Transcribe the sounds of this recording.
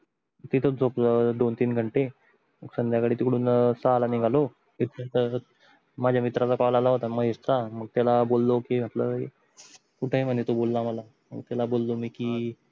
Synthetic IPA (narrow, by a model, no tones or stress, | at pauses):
t̪it̪ʰod͡zʱopd̪ont̪iːnɡʱəɳʈe | məɡsənd̪ʱjakaɽ̤iːt̪ikɽuːnsaɦlaniɡʱalo | mit̪ɾət̪ə | mad͡ʑʱjamit̪ɾat͡sakalalaɦot̪aməɦeɾt͡saməɡ̚t̪alabolːokem̤ət̪ləe | kuʈʰəɦem̤ənet̪obolːaməla | mə̰ɡt̪alabolːomiːkiː